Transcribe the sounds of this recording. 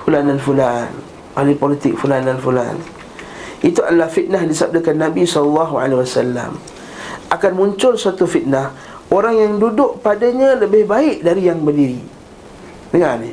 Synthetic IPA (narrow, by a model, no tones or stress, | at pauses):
fulandanfulan | ʔolipolit̪ɪk̚fulandanfula̰n | ʔit̪uʔadalahfit̪̚nahdisab̚dəkanːabisɔlalːaɦua̰leɦwasalːa̰m | ʔakanmũɲt͡ʃʊlsuat̪ufit̪̚nah | oɾaŋjaŋdudʊʔpadaɲãləbɪhbaɪʔdaɾijaŋbərdiɾi | dəŋani